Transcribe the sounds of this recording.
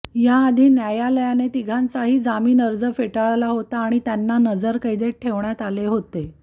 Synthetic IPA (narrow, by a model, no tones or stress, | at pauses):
jaːd̪ʱiːnjajaləjanet̪iɡʱãnt͡saɦiːd͡zamiːnəɾd͡zəfeʈaɭlaɦot̪aːɽ̃it̪janːanəd͡zəɾkəjd̪eʈʰeʋɳjat̪aleɦot̪e